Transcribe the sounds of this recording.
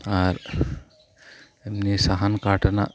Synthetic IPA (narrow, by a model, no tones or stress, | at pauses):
aɾ | emnisaɦankaʈna̰